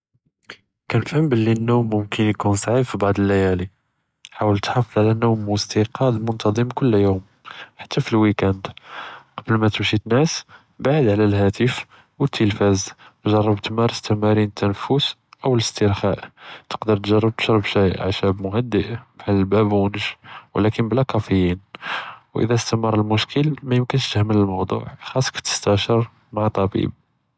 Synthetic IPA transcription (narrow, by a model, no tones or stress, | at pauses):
kænfəmbəlːinːumːʊmkənjkunsˤʕibfibɑʕd̪ˤəlːæjæli | ħawəlt̪ħɑfəd̪ˤʕlænːumːwəst̪iqɑd̪mʊnt̪ɑd̪ˤəmkʊlːjum | ħḁt̪ʰːæfilwikænd̪qɑbəlmæt̪əmʃit̪næs | baʕid̪ʕlælɦæt̪əf | wət̪ʰːəlfæzʒɑrˤːəbt̪əmæɾˤəst̪əmæɾinət̪ʰːænfusʔəwələst̪əɾxæʔt̪ə̥qd̪əɾˤt̪ʒɑrˤːəb̚t̪ə̥ʃɾˤəbʃæjʕaʃæbmʊhæd̪ːəʔbħalːəlbæbnəʃwəlækənblækɑfəjːinwʔə̰d̪æst̪æmərˤːəlmʊʃkəlmæjəmkənʃt̪əhmələlmɑwd̪ˤṵʕxɑsˤːkæ̥t̪ːə̥st̪æʃəɾˤ | maʕt̪ˤːɑbḭb̚